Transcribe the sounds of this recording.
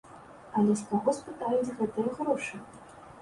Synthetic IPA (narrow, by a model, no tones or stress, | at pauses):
ɐlʲɛsk̪ɔɣɔspɨt̪ajud͡zʲɣɛt̪ɨjɐɣɾɔʂɨ